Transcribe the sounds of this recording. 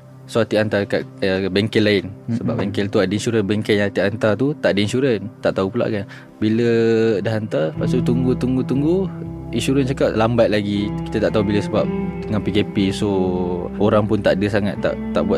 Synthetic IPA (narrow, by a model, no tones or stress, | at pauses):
sohat̪iant̪akaʔ̪bɛŋkɛlaɪnsəbapbɛŋkɛlt̪uadəinʃuɾənbɛŋkɛnjãat̪iant̪at̪ut̪aʔdəinʃuɾənt̪aʔt̪aupula̰ʔkan | bilədahɦant̪apasut̪uŋɡut̪uŋɡut̪uŋɡuinʃuɾənt͡ʃakap̚lambat̪̚laɡiki̥t̪at̪aʔt̪aubiləsəbap̚dəŋanpikepiso | oɾaŋpʊnt̪aʔdəsaŋat̪ːa̰ʔt̪ːaʔbuwa